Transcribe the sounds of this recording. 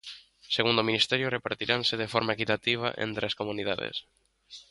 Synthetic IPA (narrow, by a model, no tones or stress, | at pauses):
seɣund̪ominist̪ɛɾjʊrepaɾt̪iɾʔansɪð̞efɔɾmaekit̪at̪iβ̞a̰ʔḛnt̪ɾeaskomũniða̰ðḛs